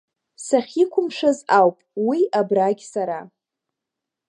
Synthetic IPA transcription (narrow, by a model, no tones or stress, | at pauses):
saχʲikʷʰʊmʂazawpʼwiʔabraɡʲsaɾa